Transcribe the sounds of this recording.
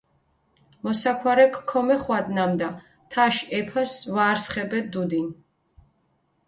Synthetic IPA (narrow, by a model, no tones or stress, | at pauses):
mɔsakʰwaɾɛkʰːɔmɛχwad̪namd̪a | t̪ʰaʃɛpʰasvaːɾsχɛbɛd̪ud̪in